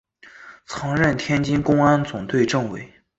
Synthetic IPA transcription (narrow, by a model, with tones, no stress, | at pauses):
t͡sʰɑ˧˥ŋɻə˥˩nt̪ʰjɛ˥nt͡ɕi˥nkʊ˥ŋa˥nt͡sʊ˨˩ŋt̪ʰwe˥˧ɪʈ͡ʂɤ˥˩ŋwe˧˥ɪ